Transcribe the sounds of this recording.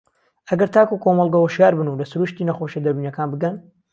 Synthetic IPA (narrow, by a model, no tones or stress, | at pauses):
ʔɐɡɐɾt̪ʰaːkukʰomɐlˠɡɐwɐʃjaːɾbɨnulɐsuɾuʃt̪iːnɐxoʃɐd̪ɐɾiːnɐkʰaːnbɨɡɐn